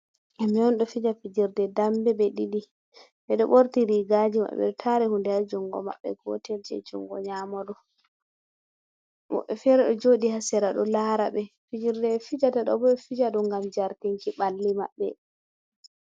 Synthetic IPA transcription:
ʔamiɔnɗɔfid͡ʒafid͡ʒiɾdɛdambɛɓɛɗiɗi | ɓɛɗɔɓoɾtiɾiɡad͡ʒima̰ɓɛ̰ɗɔtʰaɾɛhundɛjad͡ʒuŋɡɔ̰ma̰ɓːɛ̰ɡɔ̰tɛld͡ʒɛ̰d͡ʒṵŋɡɔɲaːmɔɗɔ | mɔ̰ɓːɛfɛɾɛɗɔd͡ʒoɗihasɛɾaɗɔlaːɾa̰ɓɛfid͡ʒiɾdɛfid͡ʒataɗɔ̰bɔɛfid͡ʒaɗuŋɡamd͡ʒaɾtiŋkiɓalːima̰ɓːɛ̰

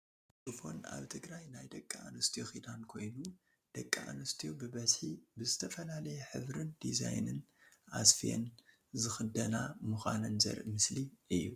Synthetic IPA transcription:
tʼɨfo̞̰na̰βt̪ʰɨɡɾajnajd̪ɐkʼːaa̰nɐst̪ʰijoxid̪ankʰo̞jnu | d̪̥ɐkʼːaa̰nɐst̪ʰijobɨβɐzħibɨzɨt̪ʰɐfɐlalɐjɛħɨ̰βɾɨnd̪iza̰jnɨ̰nʔa̰sfijḛn | zɨxɨd̪ɐnamuxʷanɨnzɐ̰ɾʔɨmɨsliɨjːu

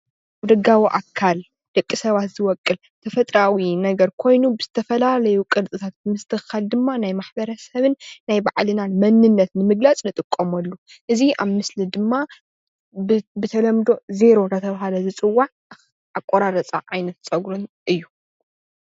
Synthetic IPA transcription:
ʔaβd̪ɐɡawiʔa̰kʰːal | d̪̥ɐkʼːisɐβat̪z̥ɨwɔkʼːɨl | t̪ʰɐfɐt̪ʼɾawinɐɡɐɾkʰo̞jnubɨzɨt̪ʰɐfɐlalɐjukʼɨlt͡sʼɨt̪ʰat̪̚mɨst̪ʰɨxald̪ɨmːanajmaħbɐɾɐsɐβɨnːajbaʕlɨnanmɐnːɨnːɐt̪nɨmɨɡlat͡sʼnɨt̪ʼɨkʼːɐmɐlːu | ʔɨziʔa̰βmɨslid̪ɨmːa | bɨt̪ʰɐlɐmd̪o̞ze̞ɾo̞ɾɐt̪ʰɐβɦalɐzɨt͡sʼɨwːaʕ | akʷʼːoɾaɾɐt͡sʼa̰ʕajnɐt̪t͡sʼɐɡɾunʔɨjːu

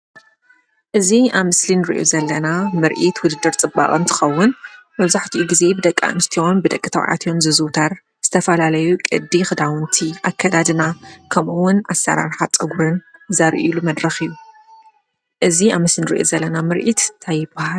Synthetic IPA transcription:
ʔɨziaβmɨslinɨɾḭʔo̰zɐlːɐnamɨɾʔit̪wʊd̪ɨd̪ːɨɾt͡sʼɨbːa̰χʼɨnt̪ʰɨ̥xɐwːʊnmɐβzaħt̪ʰiʔuɡize̞bɨd̪ɐkʼːa̰ʔɨnɨst̪ʰionbɨd̪ɐkʼːɨt̪ʰɐw̰ʕa̰t̪ʰjo̞nzɨzɨwt̪ʰaɾ | z̥ɨt̪ʰɐfɐlalɐjukʼɨ̰d̪ːixɨd̪awɨnt̪ʰiʔakʰːɐd̪ad̪ɨnakʰɐmʔuwʊnasːɐ̰ɾa̰ɾħat͡sʼɨɡuɾɨnzɐɾʔilumɐd̪ɾɐxijːu | ʔɨziamɨslinɨɾḭʔo̞̰zɐlːɐnamɨɾʔit̪ːt̪ʰajːɪbahal

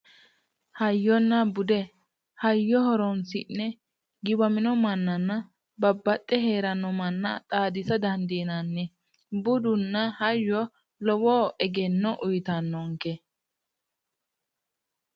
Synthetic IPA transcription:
hɐjːɔnːɐbʊd̪ɛ | hɐjːɔhɔɾɔnsɪnːɛ | ɡɪbɐmɪnɔmɐnːɐnːɐ | bɐbːɐt̪ʼːɛheːɾɐnːɔmɐnːɐ̰t̪ʼaːd̪ɪsɐd̪ɐnd̪inɐnːɛ | bʊd̪ʊnːɐhɐjːɔ | lɔwɔːʔɛɡɛnːɔʔʊjt̪ɐnːɔŋkɛ

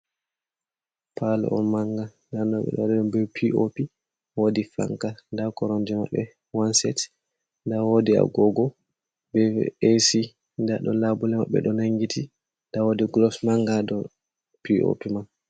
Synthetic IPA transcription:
pʰalɛ̰ʔɔ̰nmaŋɡa | danɔɓɛ̰ɗɔ̰ɗɛɗɔbɛpʰiʔopi | wodifa̰ŋkandakɔɾɔnd͡ʒɛma̰ɓːɛ | wansɛt | ndawodia̰ɡɔɡɔ | bɛ̰esi | ndaɗɔ̰labulɛma̰ɓːɛ̰ɗɔnaŋɡitʰi | ndawodiɡlɔsmaŋɡadɔ | piʔo̰piman

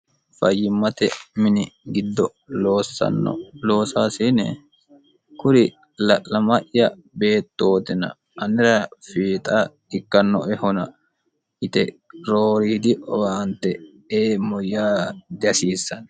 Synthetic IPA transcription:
fɐjːɪmːɐt̪ɛmɪnɪɡɪd̪ːɔ | loːsɐ̰nːɔ̰lo̞ːsaːsinɛ | kʊɾɪ | lɐʔːɐmɐʔːɐ | be̞ːt̪ːo̞ːt̪ɪnɐ̰ | ʔɐnɪɾɐfiːt̪ʼɐ | ɪkːɐnːɔ̰ʔɛhɔnɐ | ʔɪt̪ɛɾoːɾiːd̪ɪʔɔwant̪ːɛ | eːmɔjːaːd̪ɐsiːsːɐnɐ

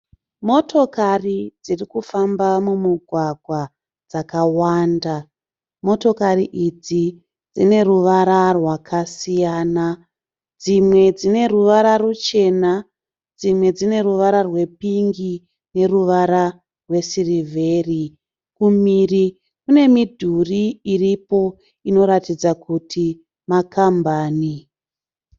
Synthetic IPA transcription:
mo̞tʰo̞karid͡zirikufambamumuɡʱwaɡʱwa | d͡zakawaːnda | mo̞to̞kariʔid͡zi | d͡zine̞ruʋaɾarwakʰasijaːna | d͡zimwe̞d͡zine̞ruʋaɾarut͡ʃe̞na | d͡zimwe̞d͡zine̞ɾuʋaɾarwe̞piŋɡi | ne̞ruʋaɾa | rwe̞sirivʱe̞ːri | kumiri | kune̞midʱuriːripo̞ | ino̞ɾatid͡zakutʰi | makambaːni

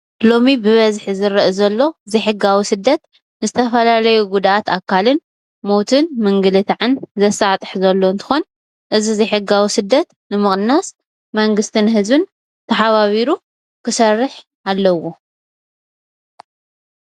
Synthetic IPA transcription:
lo̞mibɨβɐzħzɨɾɐʔizɐlːo̞zɨħɨɡawisɨd̪ːɐt̪ | nɨzɨt̪ʰɐfɐlalɐjuɡud̪aʔat̪akʰːalɨn | mowt̪ʰɨnmɨŋɡɨlɨt̪ʰaʕɨnzɐsat̪ʼɨħzɐlːo̞ɨnt̪ʰɨ̥xon | ʔɨzizɨħɨɡawusɨd̪ːɐt̪ | nɨmɨχʼnas | mɐŋɡɨst̪ʰɨnɦɨzbɨn | t̪ʰɐħaβaβiɾu | kʰɨsɐrːɨħ | alːɐwo̞

